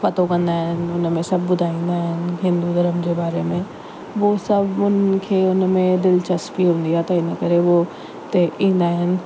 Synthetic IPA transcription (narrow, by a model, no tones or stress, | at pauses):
pɐt̪okɐ̃nd̪aːɦɪnɪ̆ʊnmẽsɐb̚ʱbʊd̪ʱaːĩːn̆d̪aːɦɪnɪ̆ɦɪ̃nd̪ud̪ʱɐɾəmd͡ʑeːbaːɾemẽ | ʋosɐbʱʊnkʰeːʊnmẽd̪ɪlt͡ɕɐspiɦũːnd̪iat̪ɐɪnəkɐɾeʋo | t̪eʔĩːnd̪aːɦɪnɪ̆